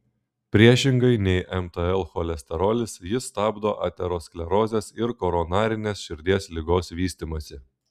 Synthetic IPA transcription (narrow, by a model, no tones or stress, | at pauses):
pʲɾʲiɛʃʲɪŋɡɐɪnʲɛɪʔɛmt̪əɛlˠxɔlʲɛsʲt̪ʲɛɾoːlʲɪsjɪst̪ɑːbd̪oːʔɑ̰ːt̪ʲɛɾoːsklʲɛɾoːzʲeːsɪɾkɔːɾɔnɑːɾʲɪnʲeːsʃʲɪɾʲd̪ʲiɛslʲɪɡoːsʋʲiːsʲt̪ʲimɐsʲɪ